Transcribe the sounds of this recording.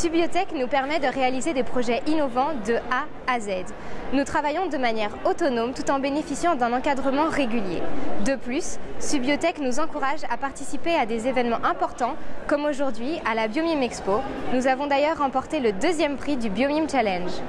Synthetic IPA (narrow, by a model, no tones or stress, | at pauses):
sybjot̪ɛknupɛʁmɛd̪əʁealized̪epχɔʒɛʔinɔvɑ̃d̪əa | azɛd̪ | nut̪χavajɔ̃d̪əmanjɛʁot̪ɔnomt̪ut̪ɑ̃benefisjɑ̃d̪ɛ̃nɑ̃kad̪ʁəmɑ̃ʁeɡʲyljḛd̪əplysːybljot̪ɛknuzɑ̃kuʁaʒa̰paʁt̪isipead̪ezevɛnmɑ̃ʔɛ̃pɔʁt̪ɑ̃kɔmoʒuʁd̪ɥialabjomimɛksponuzavɔ̃d̪ajœʁːɑ̃pɔʁt̪eləd̪øzjɛmpχid̪ybjomimt͡ʃalɛ̃nʒ